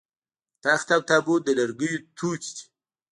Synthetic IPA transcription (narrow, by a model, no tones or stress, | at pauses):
t̪axt̪awt̪abod̪ələɾɡəjut̪ʰukd̪i̥